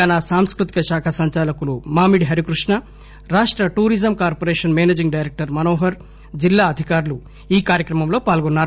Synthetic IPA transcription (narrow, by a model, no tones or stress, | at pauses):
aːnasaːmskɾut̪i̥kɐʃaːkʰɐsɐɲt͡ʃaːlɐkulumaːmiɽɦɐɾikɾuʂɳɐ | ɾaːʂʈɾɐʈuːɾid͡ʒɐmkaːɾpoːɾeːʂɐnmeːneːd͡ʒiŋɡɖɐjɾek̚ʈɐɾmɐnoːɦɐɾ | d͡ʒilːaːɐd̪ʱikaːɾulu | iːkaːɾjɐkɾɐmɐmlo̞ːpaːlɡonːaːɾ